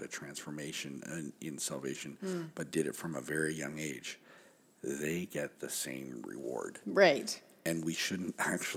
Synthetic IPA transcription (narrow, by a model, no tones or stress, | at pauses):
ðɨtʰɹ̥æ̃nsfə˞meɪʃɨ̃nɪ̃nsælˠveɪʃɨ̃nb̥ʌt̚d̥ɨɾɨtfɹʌ̃məvɛɹijʌ̃ŋeɪ̥d͡ʒ | ðeɪɡɛt̪̚ðɨsḛ̃ɪ̃mɹɪ̰wɔ̰ɹd̥ɹaɪt | ɨ̃nwiʃʊdⁿn̩tæk̚t͡ʃu